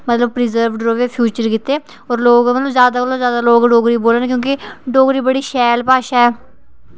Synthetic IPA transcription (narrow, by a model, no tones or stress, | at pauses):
mət̪ləb̚pɾɪzəɾʋɖɾoːʋeːpʰjuːt͡ʃəɾkɪt̪ːeː | ɔːɾloːɡmət̪ləzjaːd̪aːolozjaːd̪aːloːɡɖoːɡɾiːboːleːnkjõːkɪɖoːɡɾiːbəɽiːʃɛːlpaːʃaɛː